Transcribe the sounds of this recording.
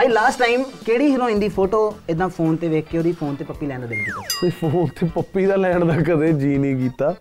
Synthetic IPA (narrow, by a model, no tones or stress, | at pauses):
aiːlaːsʈːaːimkeːɽiːɦɪɾõːɪ̃nd̪iːpʰoːʈoːɪd̪ãːpʰoːnt̪eːʋeːkʰkeːoːɾiːpʰoːnt̪eːpəpːiːlɛːnd̪d̪ɪnd̪iːt̪eːpʰoːnt̪eːpəpːiːd̪aːlɛːɳd̪aːkəd̪eːd͡ʒiːnĩːkiːt̪aː